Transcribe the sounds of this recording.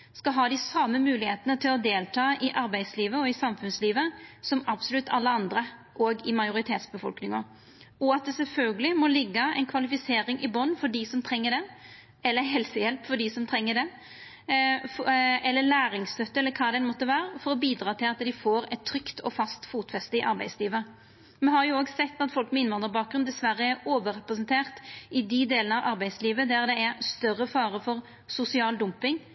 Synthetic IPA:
skɑlɦɑːd̪ɪsɑməmʉːlɪheːt̪ənət̪ʰɪlɔd̪eːlt̪ʰɑːʔɪʔɑɾbæɪd̪sliːʋəɔɪsɑmfʉnsliːʋəsɔmɑbsʊlʉt̪ːɑlːəɑnd̪ɾə | ʔoɡɪmɑɪʊɾɪt̪ʰeːt̪sbəfɔ̰lknɪŋɑ | ɔɑt̪̚d̪ɛsɛlfœlɡəlɪmɔlɪɡːəæɪnkʰʋɑlɪfɪseːɾɪŋʔɪbɔnːfɔɖisɔmt̪ʰɾɛŋːəɖɛ | ɛlːəɦɛlsəjɛlpfɔɖisɔmt̪ʰɾɛŋːəɖɛ | ɛlːəlæːɾɪŋst̪œt̪ːəɛlːəkʰɑːd̪ɛnmɔt̪ːəʋæːɾəfɔɾɔbiːd̪ɾɑːt̪ʰɪlɑt̪d̪ɪfoːɾɛt̪ʰːɾʏkt̪ʰɔ̰fɑst̪fuːt̪fɛst̪əɪʔɑɾbæɪd̪sliːʋə | mɛnɦɑɾjʊoːɡsɛt̪ːɑt̪fɔlkmɛɪnʋɑnd̪ʁəbɑːk̚ɡɾʉnd̪ɛsʋæɾːəɛɾoːʋəɾɛpɾəsənt̪ʰeːʁt̪ɪd̪ɪd̪eːlnəɑʋʔɑɾbæɪsliːʋəd̪æɾd̪ɛæɾst̪œɾːəfɑːɾəfɔɾ | sʊsɪɑːld̪ʊmpɪŋ

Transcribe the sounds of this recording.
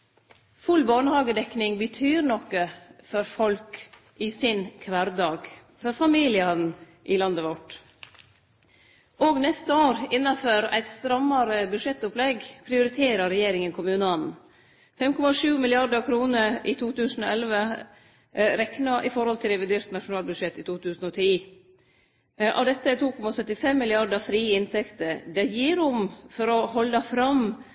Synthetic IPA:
fʉlbɑːɳəhɑːɡəd̪ɛknɪŋbət̪ʰyːɾnɔkːəfɔɾfɔlk | ʔɪsɪnkʰʋæɾd̪ɑːɡ | fɔɾfɑmiːlɪɑn̩ | ʔɪlɑnd̪əʋɔʈː | ʔoːɡnɛst̪əoːɾɪnːɑføːɾæ̰ɪt̪st̪ɾɑmːɑɾəbʉʂɛt̪ːʊplɛɡpʰɾɪʊɾɪt̪ʰeːɾɑɾɛjeːɾɪŋənkʰʊmʉːnəɑnn̩ | fɛmkɔmɑʂʉːmɪlɪɑɾd̪əkʰɾuːnəiːt̪ʰuːt̪ʉːsn̩o̰ːɛlʋə | ɾɛknɑʔɪfɔɾhɔlt̪ʰɪlɾɛʋɪd̪eːɾt̪nɑʂʊnɑːlbʉd̪ʂɛt̪ːɪːt̪ʰuːt̪ʰʉːsn̩oːt̪ʰiː | ʔɑ̰ʋd̪ɛt̪ːət̪ʰuːkʰɔmɑsœt̪ːɪfɛmːɪlɪɑɖ̪əfɾiːəɪnt̪ʰɛkt̪əd̪ɛjiːɾʊmfɔɾɔhɔlːɑfɾɑm

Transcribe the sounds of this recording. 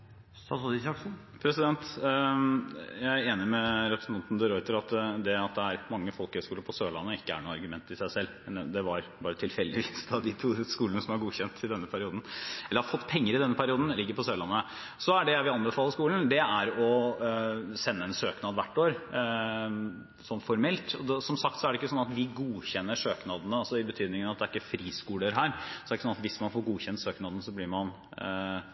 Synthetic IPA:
sɑsɔd̪ɪsɑksn | pʰɾɛsɪd̪ɛnt̪ | jæɪeːnɪmɛɾɛpɾəsnʰɑnt̪nd̪əɾɔʏt̪əɾɑt̪d̪ɛɑt̪̚d̪ɛæɾmɑŋːəfɔlkəhœskuːləɾpʰɔsøːɭɑ̰nːəɪkːəæ̰ɳuːɑɾɡʉmɛnt̪ːɪsæɪsɛlːmɛnd̪ɛʋɑɾbɑːɾət̪ʰɪlfɛlːd̪ɪʋiːsɑd̪ɪt̪ʰuːskuːlənəsɔmhɑɾɡuːçɛnt̪ʰɪd̪ɛnːəpʰæɾɪuːd̪n̩ɛlːəɾhɑfɔt̪ːpʰɛŋːəɾɪd̪ɛnːəpʰæɾɪuːd̪n̩lɪɡːəɾpʰɔsøːɭɑnːə | sɔæɖɛʋɪɑnbəfɑːlːˠəʂkuːln̩d̪ɛæɾɔ | sɛnːəɛnsøːknɑːd̪ʋæʈːoːɾ | sɔnːfɔɾmɛlt̪ɔd̪ɛsɔmsɑk̚t̪sɔæɖɛɪkːəsɔnːɑt̪ʋɪɡuːçɛnːəʂøːknɑd̪ənəɑsɔɪbət̪ʰyːd̪nɪŋənɑt̪d̪æɾɪkːəfɾiːskuːləɾɦæːɾsɔd̪ɛɾɪkːəsɔnɑt̪ʋɪsmɑnfoːɾɡuːçɛnt̪søːknɑːd̪ənəsɔblɪɾmɑn

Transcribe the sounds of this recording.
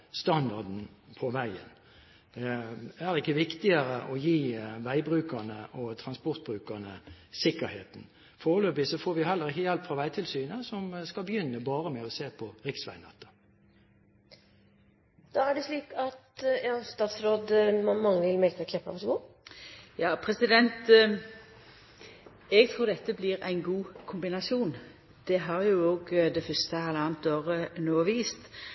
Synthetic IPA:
st̪ɑnd̪ɑd̪n̩ | pʰɔʋæɪə̰n | æʁɪkːəʋɪkt̪ɪəɾəʔɔjiːʋæɪbɾʉːkəʁnəʔɔt̪ʰʁɑnspɔʁt̪̚bʁʉːkəʁnə | sɪkːəɾheːt̪n̩ | foːʁløːbɪsɔfoːɾʋɪhɛlːəʁɪkːəjɛlpfʁɑʋæɪt̪ʰɪlsyːnəsɔmskɑlbəjʏnːəbɑːʁəmɛɔseːpʰɔʁɪksʋæ̰ɪnɛt̪ːə̥ | d̪̥ɑːæɖɛsliːkɑt̪jɑːst̪ɑːt̪sɾoːd̪mɑŋːəʋɪlmɛlk̪əkʰlɛpːɑ̰pɔsɡuː | jɑːpʰɾɛsɪd̪ɛnt̪ | ɛɡt̪ʰʁuːɾd̪ɛt̪ːəblɪʁæ̰ɪnɡuːkʰʊmbɪnɑsjuːn | d̪̥ɛɦɑɾjʊoːɡd̪ɛfœst̪əɛlːəɑːnt̪oːʁənoːʋiːst̪

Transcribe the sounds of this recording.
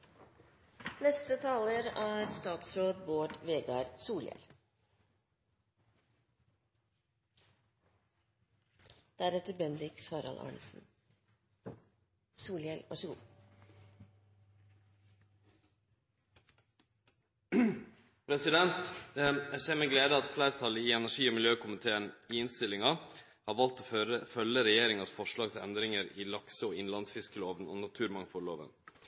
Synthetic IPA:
nɛst̪ət̪ʰɑːləɾæːɾst̪ɑːt̪sɾoːd̪boːʈʋeːɡɑɾsuːljɛ̰l | d̪̥æɾɛt̪əɾbɛnd̪ɪksɑːɾɑ̰lʔɑ̰ːɳsn̩ | suːljɛlʋʔɑ̰ʂəɡṵː | pʰɾɛsɪd̪ɛnt̪jæɪseːɾmɛːɡleːd̪əɑt̪flæːɾt̪ʰɑləiɛnæʂiːoːmɪljøːkʰʊmɪt̪ʰeːəniːɪnst̪ɪlɪŋɑ | hɑːɾʋɑlt̪oːəfœlːəɾɛjeːɾɪŋɑt̪fɔʂɭɑːɡsɛ̰nd̪ɾɪŋəɾiːlɑksəoːɪnlɑnsfɪskəloːʋəno̰ːnɑt̪ʰʉːɾmɑŋfɔɭoːʋə̰n

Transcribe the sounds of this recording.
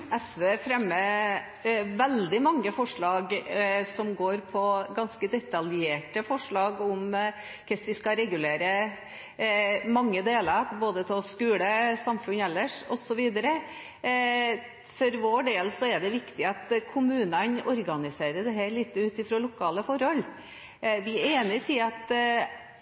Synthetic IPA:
ɛsʋeːfɾɛmːə | ʋɛld̪ɪmɑŋːəfɔʂɭɑːɡsɔmɡoːɾpʰɔɡɑnskəd̪ɛt̪ɑljeːʈəfɔʂɭɑːɡʊm | kʰɛsʋɪskɑɾɛɡʉleːɾə | mɑŋːəd̪eːlɑɾboːd̪ət̪ʰɛskʉːləsɑmfʉnɛlːəʂɔsɔʋiːd̪əɾə | fɔɾʋoːɖeːlsɔɛɖɛʋɪkt̪ɪɑt̪kʰʊmʉːnənɔɾɡɑnɪseːɾəɖ̪ɛɦæɭiːt̪ːəʉːt̪ɪfɾoːlʊkʰɑːləfɔɾhɔl | ʋɪæɾeːnɪt̪ʰɪlɑt̪

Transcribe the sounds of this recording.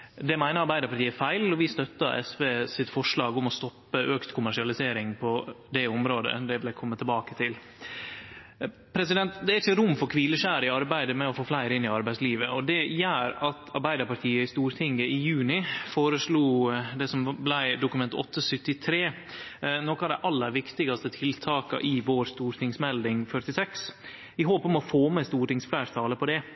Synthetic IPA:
d̪ɛmæɪnəɑɾbæɪd̪əɾpɑɾʈ̪iːəfæɪlɔʋɪst̪œt̪ːɑʔɛ̰sʋeːsɪt̪fɔʂɭɑːɡʊmɔst̪ɔpːəʔøːkt̪kʰʊmæʂɪɑlɪseːɾɪŋpʰɔd̪ɛɔmɾoːd̪ə̰d̪ɛʋɪlæɪkʰɔmːət̪ʰɛlbɑːkə̥t̪ʰɪl | pʰɾɛs̬ɪd̪ɛnt̪d̪ɛæɾɪçəɾʊmfɔɾkʰʋiːləʃæːɾɪɑɾbæɪd̪əmɛɔfoːflæɪɾɪnɪɑɾbæɪsliːʋəʔɔd̪ɛjæːɾɑt̪ɑɾbæɪd̪əɾpɑɾʈ̪ʰiːəɪst̪uːɾt̪ʰɪŋəɪjʉːnɪfoːɾəʂluːd̪ɛsɔmblæɪd̪ʊkʉmɛnt̪ɔ̰t̪ʰːəsʏt̪ːɪt̪ʰɾeː | nɔkɑd̪ɛʔɑlːəɾʋɪkt̪ɪɡɑst̪ət̪ʰɪlt̪ʰɑːkɑ̰ʔɪʋoːɾst̪uːɾt̪ʰɪŋsmɛld̪ɪŋfœʈɪsɛks | ɪɦoːpɔmɔfoːmɛst̪uːɾʈɪŋsflæɪɾt̪ʰɑːləpʰɔd̪ɛ

